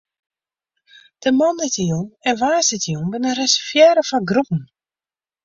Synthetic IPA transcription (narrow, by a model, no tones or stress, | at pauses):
d̥əmɔndɪtəjunɛnʋaːsɪtəjunbɪnərɛsəfjɛːɾəfɔnɡrupn̩